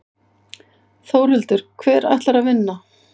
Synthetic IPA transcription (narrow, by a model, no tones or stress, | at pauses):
θoːwɾʏlt̪ʏɾ̥kʰvɛːɾa̰jht̪laɾavɪnːa